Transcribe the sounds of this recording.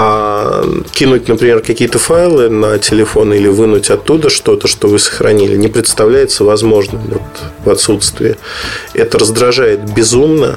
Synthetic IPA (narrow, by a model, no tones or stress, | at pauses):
a | kʲinut̚ʲnəpɾʲɪmʲe̞rkɐkʲijət̪əfajlˠɨnətʲɪlʲɪfo̞nilʲɪvɨnutʲɐt̪ːud̪əʂt̪o̞t̪əʂt̪o̞vɨsə̥xɾɐ̰nʲḭlʲɪ̰nʲɪpɾʲɪt̪st̪ɐvlʲæjɪt̪səvɐzmo̞ʐnɨmvo̞t̪vɐt̪sut̪st̪vʲɪ̰ːɛt̪əɾəzd̪ɾɐʐajɪt̪̚bʲɪzumnə̰